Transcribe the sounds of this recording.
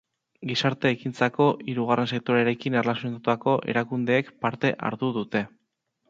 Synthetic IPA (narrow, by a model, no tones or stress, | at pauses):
ɡisaɾt̪e̞ːkint͡sako̞ʔiɾuɣare̞nse̞k̚t̪o̞ɾeɾe̞kinerlasonat̪uako̞ʔe̞̰ɾakund̪e̞ːkpaɾt̪e̞ʔa̰ɾðuðut̪e̞